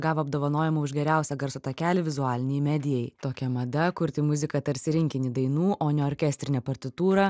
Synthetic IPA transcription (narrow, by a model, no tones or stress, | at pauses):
ɡɑːʋoɐbd̪oːʋɐnoːjɛmɐʊʒɡʲɛɾʲæˑʊsʲɛɡɐɾsʊt̪ɐkʲæːlʲɪʋʲɪzʊɑːlʲɪnʲɛjmʲæːd̪ʲɪjɛɪt̪oːkʲɛmɐd̪ɐkʊɾʲt̪ʲɪmʊzʲɪkɐt̪ɐɾʲsʲɪɾʲɪŋʲkʲɪnʲɪd̪ɐɪnuːʔoːnʲɛoːɾʲkʲɛːsʲt̪ʲɾʲɪnʲɛpɐɾʲt̪ʲɪt̪uːɾɐ